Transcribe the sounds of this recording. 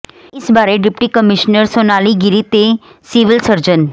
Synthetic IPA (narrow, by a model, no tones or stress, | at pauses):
ɪsbaːɾeɖɪpʈikəmɪʃnəɾsoːnaːliɡɪɾit̪esiʋɪlsəɾd͡ʒən